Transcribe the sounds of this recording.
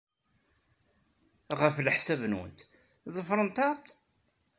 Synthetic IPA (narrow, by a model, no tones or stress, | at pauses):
ʁəfləħsævnwə̰nt̪ | zˤəfɾˤənt̪ˤɑˤt̪